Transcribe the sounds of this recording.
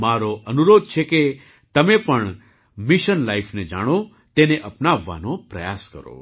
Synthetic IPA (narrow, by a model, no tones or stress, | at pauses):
maɾoʔənuɾod̪̚t͡ʃʰeke | t̪əmepəɳ | miʃənlaifʰned͡ʒa̰ɽ̃o | t̪eneʔəpnaʋːa̰nopɾə̰jaskə̰ɾo̰